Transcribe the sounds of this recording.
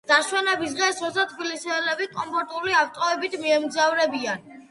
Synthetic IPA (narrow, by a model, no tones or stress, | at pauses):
d̪̥aʃwɛnɛbis̬ʁɛsɔst̪at̪ʰbilisɛɛlɛbikʼɔmpʰɔɾt̪ʼuliaft̪ʼɔɛbit̪ʰmiɛmzavɾɛbian